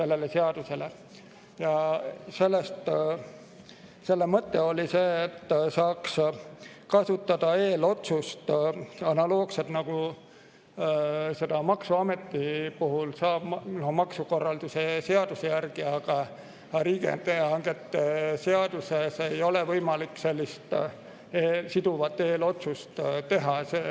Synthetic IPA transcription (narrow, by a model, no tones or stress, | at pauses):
se̞lːelese̞ɑd̪̥use̞le̞ | jɑse̞lːest̪ | se̞lːe̞mɤt̪ːe̞o̞lise̞ːt̪ːsɑːks | kɑsut̪ːɑd̪̥ɑe̞ːlo̞t̪sust̪ɑnɑloːkset̪nɑɡ̥u | se̞d̪̥ɑmɑksuɑme̞t̪ːipuɦulsɑːb̥nomɑksuko̞rːɑld̪̥use̞se̞ɑd̪̥usejærɡ̥iɑɡ̥ɑ | ɾiːɡḛnt̪eɑŋɡet̪ːese̞ɑd̪̥usesejo̞levɤjmɑlikse̞lʲːist̪ | eːsid̪uvɑt̪ːe̞ːlo̞t̪sust̪t̪e̞ɦɑseː